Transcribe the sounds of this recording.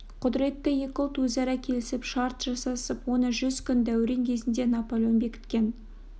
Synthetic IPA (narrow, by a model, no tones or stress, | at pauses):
qʰʊd̪ɪɾe̞t̪ːɪje̞kʲolˠt̪wɵzɑɾɑkʲʰe̞lɪsɪpʃɑɾt̪ʒ̥ɑsɑsəpwo̞nəʒʏzkʲʰʏnd̪æwɾeŋkʲʰe̞zɪnd̪e̞nɑpolʲjonbe̞kʲɪ̥t̪kʲe̞n